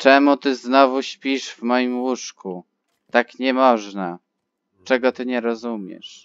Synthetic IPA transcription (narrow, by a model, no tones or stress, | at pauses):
t͡ʂɛmut̪ɘznɔvuɕpʲiʂvmɔjimwuʂku | t̪akɲɛmɔʐna | t͡ʂɛɡɔt̪ɘɲɛɾɔzumʲjɛ̰ʂ